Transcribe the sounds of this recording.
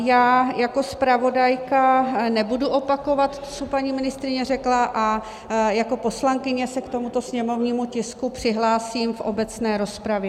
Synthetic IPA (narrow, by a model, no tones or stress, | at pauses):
jaːjako̞spɾavo̞dajkanɛbuduʔo̞pako̞vat̪t̪o̥t͡sopaɲiːmɪnɪst̪ɾɪɲɛrɛklaʔa | jako̞po̞slaŋkɪɲɛsɛkt̪o̞mut̪o̞sɲɛmo̞vɲiːmucɪskupr̝̥ɪɦlaːsiːmfʔobɛt͡snɛːɾo̞spɾavjɛ